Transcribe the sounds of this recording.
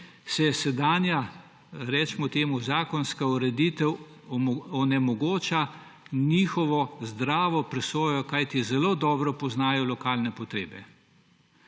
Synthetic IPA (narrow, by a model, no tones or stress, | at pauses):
sɛsɛd̪aːnja | ɾɛt͡ʃmɔt̪eːmuzaːkɔnskauɾɛd̪it̪ɛw | ɔnɛmɔɡoːt͡ʃa | niːxɔʋɔzd̪ɾaːʋɔpɾɛsoːjɔkajt̪izɛloːd̪ɔːbɾɔpɔznaːjɔlɔkaːlnɛpɔt̪ɾeːbɛ